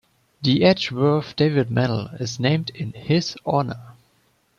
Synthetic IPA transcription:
ðiɛt͡ʃwɜ˞θd̥eɪvɪd̚mænl̩ɪznẽɪ̃mdɪ̃nhɪz̥ɔnə˞

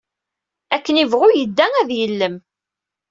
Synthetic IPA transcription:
ækːənivʁʊjəd̪ːæŋæðjəlːəm

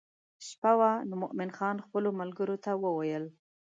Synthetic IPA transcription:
ʃpawanmʊʔmɪnxɑnxpəlomalɡəɾot̪awəwajəl

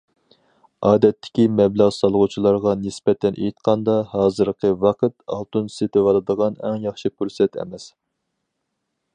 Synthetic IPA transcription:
ɑːd̪ɛt̪ʰːɪ̥kʲimɛblæʁsɑlˠʁut͡ʃʰilˠɑɾʁɑnɪsbɛt̪ʰɛnʔḛjit̪̚qʰɑnd̪ɑhɑːzɨɾqʰəvɑqʰət̪ɑ̰lˠt̪ʰunset̪ɪvɑlˠɨd̪əʁɑnɛ̰ŋjɑχʃikʰuɾsɛt̪ɛ̰mɛs

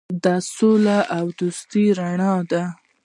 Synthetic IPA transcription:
d̪ɑsolaʔawd̪ust̪iɾaɳɑd̪a

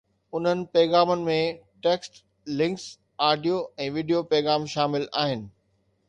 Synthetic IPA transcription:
ʊn̤ənɪ̆pɛːɣaːmənɪ̆mẽʈeːksʈ | lɪ̃ŋks | aːɖijoɛ̃ːʋiːɖijopɛːɣaːmʃaːmɪlaːɦɪnɪ̆

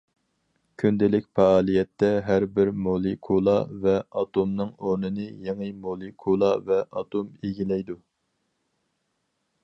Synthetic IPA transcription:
kʲʰynd̪ɪlɪkʲpɑːlˠijɛt̪ːɛɦæɾbɪɾmolˠɪkʰulˠɑvɛɑt̪omnɨŋoɾnɨnɨjeŋɨmolˠekʰulˠɑvɛʔɑt̪ʰomeɡʲilɛjd̪u

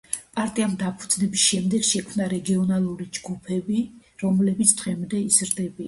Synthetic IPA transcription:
pʼaɾt̪ʼiamd̪apʰud̪z̥nɛbisʃɛmd̪ɛɡ̥ʃɛkʰmnaɾɛɡiɔnalˠuɾid͡ʒɡupʰɛbiɾɔmlɛbit̪sʰd̪ʁɛmd̪ɛizɾd̪ɛbi

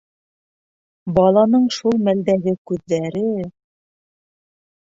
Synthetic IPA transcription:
bɑlˠɑnɤɴʃulˠmæld̪æɡɘkʉðːæɾɘ

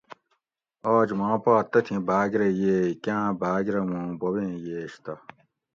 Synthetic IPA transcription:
oːd͡ʑmãːpaːt̪ːɐt̪ʰĩbʱaːɡɾejeːkãːbʱaːɡɾɐmũbobẽːjeːɕt̪ɐ

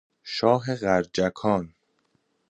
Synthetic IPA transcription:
ʃɒːɦeɣæɾd͡ʒækʰɒːn

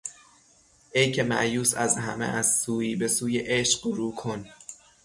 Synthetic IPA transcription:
ʔe̞jcʰe̞mæ̰ʔjuːsæzɦæmḛʔæzsuːiːbe̞suːje̞ʔeʃɢɾuːkʰon

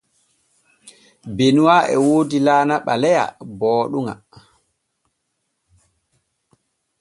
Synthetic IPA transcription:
benuwaʔɛ̰woːdilaːnaɓalɛja̰bɔːɗuŋa̰

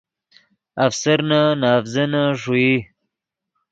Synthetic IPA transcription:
afsɐɾnanaːfzɐnaʂui

